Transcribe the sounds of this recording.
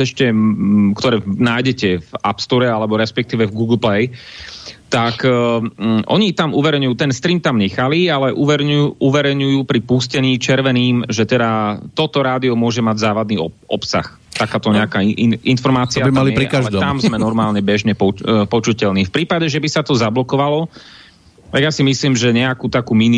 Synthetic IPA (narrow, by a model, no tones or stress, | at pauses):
ɛʃcɛkt̪ɔɾɛːnaːjɟɛcɛva̰pst̪ɔɾɛalɛbɔɾɛspɛk̚t̪iːʋɛvɡuɡl̩plɛj | t̪ak | ʔɔ̰ɲit̪amuʋɛɾɛɲujuːt̪ɛnst̪ɾiːmt̪amɲɛxalialɛʔuʋɛɾuʔuʋɛɾɛɲujuːpɾipuscɛɲiːt͡ʃɛɾʋɛniːmʒɛt̪ɛd̪at̪ɔt̪ɔɾaːd̪iɔmʊɔʒɛmaɟzaːʋad̪niːɔʔɔ̰psa̰x | t̪akaːt̪ɔɲɛakaiinfɔɾmaːt͡siaimaliɛɾikaʒd̪ɔt̪amzmɛnɔɾmaːlɲɛbɛʒɲɛpɔpɔt͡ʃucɛlniːfpɾiːpaɟɛʒɛbisat̪ɔzablɔkɔʋalɔ | t̪aɡjasimisliːmʒɛɲɛakuːt̪akuːmini